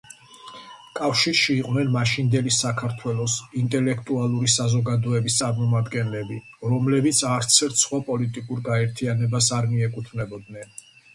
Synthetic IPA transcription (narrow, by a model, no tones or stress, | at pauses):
kʼafʃiɾʃiːqʼwnɛnmaʃind̪ɛlisakʰaɾt̪ʰwɛlˠɔsint̪ʼɛlɛkʰt̪ʼualˠuɾisazɔɡad̪ɔɛbist̪sʼaɾmɔmad̪ɡɛnlɛbiɾɔmlɛbit̪sʰaɾt̪sʰɛɾt̪ʰsχwapʼɔlit̪ʼikʼuɾɡaɛɾt̪ʰianɛbasaɾmiɛkʼut̪ʰvnɛbɔd̪nɛn